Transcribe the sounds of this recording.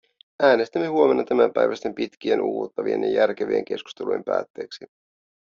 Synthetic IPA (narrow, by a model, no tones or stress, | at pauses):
ʔæːne̞st̪æmːe̞huome̞nːɑt̪æmæmpæjʋæst̪empit̪k̟ienʔṵːot̪ːɑʋie̞njɑ̰jærk̟eʋeːŋke̞sku̥st̪elujempæ̰ːt̪ːe̞ːksi